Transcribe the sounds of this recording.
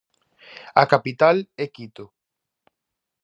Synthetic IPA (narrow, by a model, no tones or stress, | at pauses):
akapit̪alekit̪o